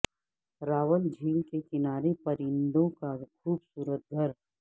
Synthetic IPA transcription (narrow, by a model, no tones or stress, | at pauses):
ɾaːʋəld͡ʒʱiːŋkekɪnaːɾepɐɾɪ̃nd̪õkakʰuːbsuːɾət̪̚ɡʱɐɾ